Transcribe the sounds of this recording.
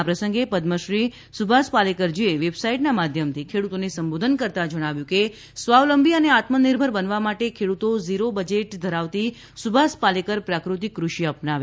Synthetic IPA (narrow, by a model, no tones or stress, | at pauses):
apɾəsəŋɡepəd̪məʃɾi | subʱaspalekəɾd͡ʒieʋebsaiʈnamad̪ʱjəmt̪ʰikʰeɽut̪onesəmbod̪ʱənkəɾt̪ad͡ʒəɽ̃aʋjũke | sʋaʋləmbʱiəneat̪məniɾbʱəɾbənʋamaʈekʰeɽut̪oziɾobəd͡ʒeʈd̪ʱəɾaʋt̪i | subʱaspalekəɾpɾakɾut̪̬ikːɾuʃiəpnaʋe